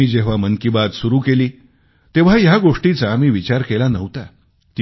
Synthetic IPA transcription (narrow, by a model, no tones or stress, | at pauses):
iːd͡ʑeʋ̤amənkibat̪suɾuːkeliː | t̪eʋ̤ajaɡoʂʈit͡samiːʋit͡ɕaɾkelanəʋt̪a | t̪i